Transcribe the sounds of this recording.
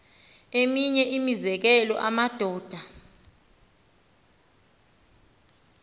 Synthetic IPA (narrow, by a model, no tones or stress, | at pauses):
emiɲɛʔimizɛk̬ɛlɔ̰ʔamad̥ʱɔːd̥ʱa